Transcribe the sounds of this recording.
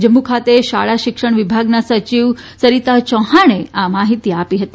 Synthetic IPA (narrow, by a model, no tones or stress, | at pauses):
d͡ʒəmːukʰat̪eʃa̰ɭaʃɪkʂəɳ̃ʋibʱaɡnasət͡ʃiʋsəɾit̪at͡ʃɔ̃ɦaɽ̃eamaɦit̪iapiɦət̪i